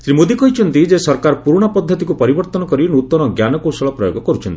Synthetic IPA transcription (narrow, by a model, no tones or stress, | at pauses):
sɾimod̪ikɔɦit͡ʃʰɔnt̪id͡ʒesɔɾkaɾpuɾuɽ̃ɔpɔd̪ʱːɔt̪ikupɔɾibɔɾt̪ɔnɔkɔɾinut̪ːɔɾɔɡjanɔkosɔɭɔpɾɔjoɡɔkɔɾut͡ʃʰɔnt̪i